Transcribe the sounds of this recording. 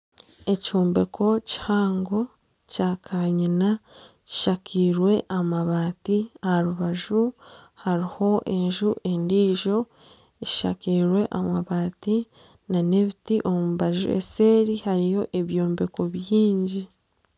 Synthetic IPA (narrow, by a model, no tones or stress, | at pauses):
e̞coːmbe̞kʰo̞ci̥haːŋɡo̞ | caːkʰaɲina | ci̥ʃakʰiːɾwe̞ʔamaβaːtiahaɾuβaʒuhaɾiho̞ʔe̞ɲʒuʔe̞ndiːʒo̞ | eci̥ʃa̰kiːɾwe̞ʔamaβaːti | nane̞βitiʔo̞muβaʒṵḛse̞ːɾihaɾijo̞ʔe̞βjoːmbe̞ko̞βjiːɲɟi